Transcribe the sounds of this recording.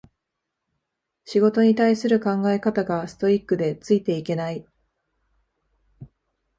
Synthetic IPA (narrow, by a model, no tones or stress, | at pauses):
ɕiɡo̞t̪o̞ɲ̟it̪aisɨɾɯ̟kãŋɡae̞kat̪aɡasɨ̥t̪o̞ikːɯ̟d̪e̞t͡sɨit̪e̞ike̞nai